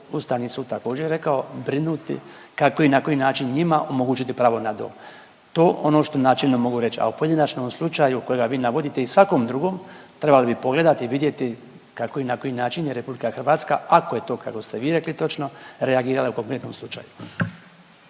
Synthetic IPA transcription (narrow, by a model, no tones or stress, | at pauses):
ust̪aʋnisuːd̪̚t̪ako̞ːd͡ʒeɾjeɾe̞kaobɾinuːt̪ḭ | kako̞inako̞jinaːt͡ʃinɲimaʔo̞mo̞ɡuːt͡ʃit̪ipɾaːʋo̞nad̪o̰ː | t̪o̞ːʔo̞no̞ːʃt̪o̞naːt͡ʃelʲno̞mo̞ɡuɾet͡ʃia̰upo̞jed̪inat͡ʃno̞mslˠut͡ʃajuko̞jeɡaʋiːnaʋo̞d̪it̪e̞isʋako̞md̪ɾuɡo̞ːmt̪ɾebalibipo̞ɡle̞d̪at̪iʋid̪je̞t̪i | kako̞inako̞jinaːt͡ʃinjeɾe̞publikaxr̩ʋaːt̪ska̰ako̞je̞t̪o̞ːkakost̪eʋiːɾe̞klit̪o̞t͡ʃno̞ɾeaɡiːɾalauko̞ŋkɾe̞t̪noːmslˠut͡ʃa̰ju